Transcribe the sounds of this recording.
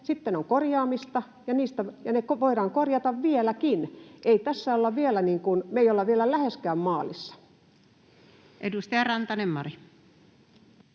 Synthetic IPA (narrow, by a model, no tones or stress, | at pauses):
sit̪ːenoŋkorjɑːmist̪ɑ | jɑniːst̪æjɑnekʋoiɾɑːŋkorjɑt̪ɑʋʋielækinʔeit̪æsːæolːɑʋielæniːŋkunmeijolːɑʋʋielælæheskæːmmɑːlisːɑ̥ | ʔedust̪ɑjɑrɑnt̪ɑnemːɑri